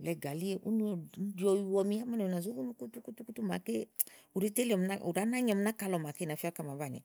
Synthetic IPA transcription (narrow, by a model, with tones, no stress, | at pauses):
lɛ˧ɡa˨li˦e˨ʔṵ˦nu˧ɔ˨˦di˨˦ɔ˧ju˧wɔ˧mĩ˧˦a˦ma˦ne˨na˨zo˦ɡu˦nu˧˦ku˦tu˦ku˦tu˦ku˦tu˦ma̰˨ke˦u˨ɾi˦te˦lɔ˨m˧na˦ṵ˨ɾa˨˦na˦ɲɔ˨˧m̩˧˦na˦ka˨˧lɔ˨ma˨ke˦na˨fi˦a˦ka˨˧˨ma˨ba˨ɲɛ̰˨